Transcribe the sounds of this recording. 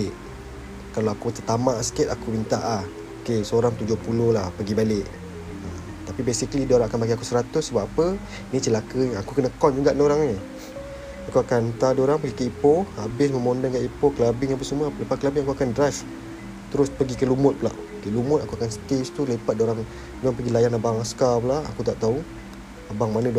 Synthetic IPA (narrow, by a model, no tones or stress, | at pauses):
ʔ | kaloakut̪ət̪amaʔsə̥kɪt̪akumint̪aʔah | okesəoɾaŋt̪ud͡ʒʊhpulʊhlahpəɡibalɪʔ | ə | t̪apibesikəlidoɾaŋakanbakiakusəɾat̪ʊsːəbapːapə | nit͡ʃəlakəakukənəkɔnd͡ʒuɡaʔnoɾaŋe | akuakant̪adoɾaŋpəɡikəipohabɪsməmondənkaʔipoklabɪŋap̬əsumələpat̪̚kəlabɪŋaŋkuakandɾaf | t̪əɾʊspəɡikəlumʊt̪̚pəla̰ʔ | kəlumʊt̪aŋkuakansə̥k̪est̪ulepat̪̚doɾaŋ | mapəɡilajanabaŋaskapəlaa̰kut̪aʔt̪au | abaŋmanədu